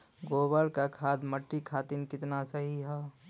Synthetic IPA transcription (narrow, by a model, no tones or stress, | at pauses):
ɡoːbəɾkakʰaːd̪məʈːikʰaːt̪inkɪt̪nasəɦiɦɛ